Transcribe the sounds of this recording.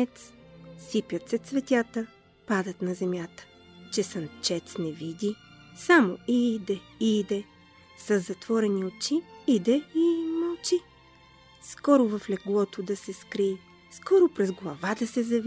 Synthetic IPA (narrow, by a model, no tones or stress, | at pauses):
ɛt̪ssipʲjət̪sɛt̪svɛt̪ʲat̪ə | pad̪ət̪nɐzɛmjat̪ə̥ | t͡ʃɛsɐnt͡ʃɛt̪snɛvid̪i | samoid̪ɛid̪ɛ | sɐzːɐt̪vɔɾɛniot͡ʃiid̪ɛimɐlˠt͡ʃi | skɔɾʊvɐflɛɡlˠɔt̪od̪ɐsɛskɾii | skɔɾʊpɾɛzɡlˠɐvad̪ɐsɛzɐv